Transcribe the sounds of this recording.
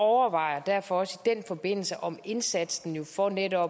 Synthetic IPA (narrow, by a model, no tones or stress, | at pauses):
ɒʊɐʋɑ̈ɪ̰ɐd̥æɐ̰fɒ̽ɒ̽səid̥en̰fɒ̽b̥e̝n̰l̩səʔɒ̽me̝nsæd̥sn̩jo̝fɒned̥ɒ̽